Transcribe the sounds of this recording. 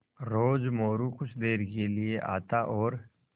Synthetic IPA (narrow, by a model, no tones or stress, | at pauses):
ɾoːd͡ʒmoːɾukʊt͡ʃʰd̪eːɾkelieʔa̰ːt̪aʔɔːɾ